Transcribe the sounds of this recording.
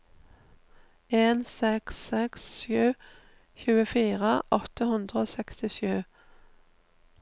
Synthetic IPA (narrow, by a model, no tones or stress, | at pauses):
eːnsɛksːɛksʃjʉː | çʉːəfiːʁəʔɔt̪əhʉnd̪ʁəoːsɛkst̪ɪʃʉː